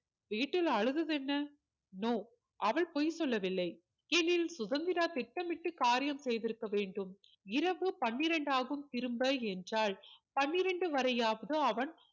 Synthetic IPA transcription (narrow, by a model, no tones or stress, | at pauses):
ʋiːʈːɪlɐɻɯðɐðɛnːɐ | noː | ʔɐʋɐɭpoːjsɔlːɐʋɪlːɐɪ | ɛnːɪlsʊðɐnd̪ɪɾaːt̪ɪʈːɐmɪʈːɯkaːɾɪjɐmsɛjðɪɾɯkːɐʋeːɳɖɯm | ɪɾɐʋɯpɐɳːɪɾɐɳɖaːɣɯmt̪ɪɾɯmbɐɛndraːɭpɐnːɪɾɐɳɖɯʋɐɾɐjaːʋɐðɯɐʋɐn